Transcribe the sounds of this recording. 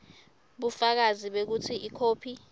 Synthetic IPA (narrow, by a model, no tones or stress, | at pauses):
ɓufak̬aziɓek̬utʰiikʰoːpʰi